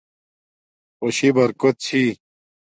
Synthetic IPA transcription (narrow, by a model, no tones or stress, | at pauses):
oɕibɐɾkot̪̚t͡ɕʰi